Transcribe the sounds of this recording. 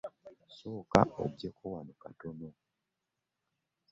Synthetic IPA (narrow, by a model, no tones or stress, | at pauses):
soːka̰ʔo̰ɡjekʰowanokatono